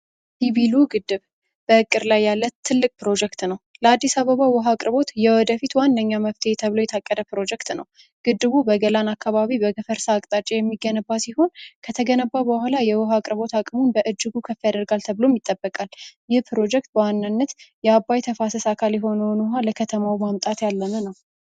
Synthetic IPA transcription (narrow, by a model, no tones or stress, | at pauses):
hiβiluɡɨd̪ːɨβ | b̥əɨkʼːɨɾlajːalːət̪ʰːɨlːɨkʼpɨɾo̞d͡ʒɛk̚t̪nəwləad̪ːisaβəβawɔɦakʼɾɨβo̞t̪jɛwɔd̪əfit̪wanːəɲːaməβt̪ʰet̪ʰəβɨlo̞jɛt̪ʰakʼːəd̪əpɾo̞d͡ʒɛkt̪nəw | ɡ̥ɨd̪ːɨβubəɡəlanakːaβaβibəɡəfəɾsaːkʼt̪ʼat͡ʃʼejɛmːiɡənəbːasiɦo̞nkʰət̪ʰəɡənəbːabəhʷalajɛwɔɦakʼɾɨβo̞t̪ʰakʼmunbəʔɨd͡ʒːɨɡukʰəfːijad̪əɾɡalt̪ʰəβɨlo̞mjɪt̪ʼːəbːəkʼaljɪhpʰɨɾo̞d͡ʒɛk̚t̪̚bəwanːɨnːət̪jɛabːajt̪ʰəfasəsakʰaljɛɦo̞nəwnuɦaləkʰət̪ʰəmawmamt̪ʼat̪jalːənənəw